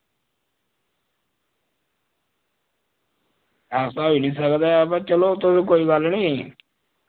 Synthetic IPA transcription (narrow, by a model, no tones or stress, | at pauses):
aːsaːɦoːiːnĩːsəkd̪aəbat͡ʃəloːt̪ʊsĩkoːiːɡəlnĩː